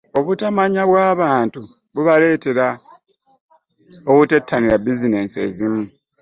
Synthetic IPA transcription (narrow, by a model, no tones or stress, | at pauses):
o̞βutamaɲaβwaːβaːntu | βuβale̞ːte̞ɾa | okute̞tʰːaniɾabizine̞ːse̞zimu